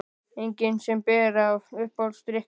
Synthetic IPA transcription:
ejŋkɪnsɛmpɛːɾavʏhpɔlst̪ɾɪh

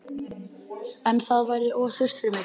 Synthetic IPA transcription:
ɛnθaðvaːjɾɪʔɔːθʏr̥st̪fɪɾmɪ

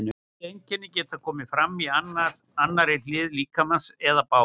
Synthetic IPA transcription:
nʏ | ejɲcɛnːɪcɛːt̪akʰɔːmɪfɾamːianːaɾanːaɾelɪːðliːkamansɛðapaːw

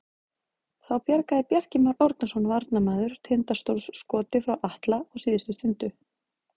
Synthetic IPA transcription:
θawpjaɾkaðɪpjɛr̥cɪmaɾowɾt̪nasɔnavaɾt̪namɛːðʏɾ̥t̪ʰɪnt̪ast̪owɾsːkɔːt̪ɪfɾawʔaht̪laɔɣsiːðɪst̪ʏst̪ʰʏnt̪ʏ

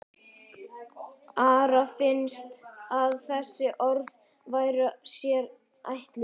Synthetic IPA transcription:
aːɾafɪnst̪aðθɛsːɪʔɔɾð | vaːjɾasjɛɾ | a̰jht̪lɪ

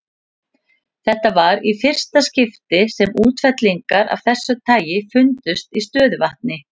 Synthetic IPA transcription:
θɛht̪avaɾifɪr̥st̪ascɪft̪ɪsɛmuːt̪fɛt̪liŋkaɾa̰v̥θɛsːʏt̪ʰaːjɪfʏnt̪ʏst̪ist̪œːðʏvaht̪̚nɪ

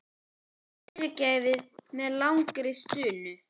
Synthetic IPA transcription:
ɾcaːjvɪðmɛðlawŋkɾɪst̪ʏːnʏ

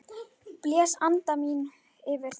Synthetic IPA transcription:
pljɛːsant̪amiːn | ɪvɪɾ̥

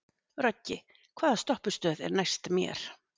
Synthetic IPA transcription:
rɔcːɪ | kʰv̥aːðast̪ɔhpʏ̥st̪œːðɛ̰ɾnajst̪mjɛ̰ɾ̥

